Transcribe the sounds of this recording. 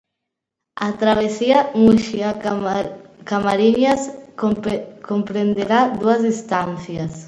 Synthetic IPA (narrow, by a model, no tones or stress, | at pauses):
at̪ɾaβ̞esiamuʃia | kamaɾiɲas | kompɾend̪eɾad̪uɐzðist̪an̟θjas